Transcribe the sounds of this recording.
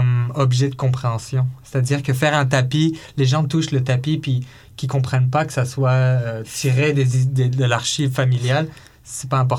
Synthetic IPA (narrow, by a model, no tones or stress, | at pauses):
ɔmɔbʒɛd̪əkɔ̃pχeɑ̃sjɔ̃se̥t̪ad̪iːʁkəfɛʁɛ̃t̪apileʒɑ̃t̪uʃlət̪apipɥi | kʲikɔ̃pχɛnpakə̥saswaøt̪ʰiʁed̪ezid̪ed̪əlaʁʃivfamiljal | sɛ̥paɛ̃p̬ɔʁ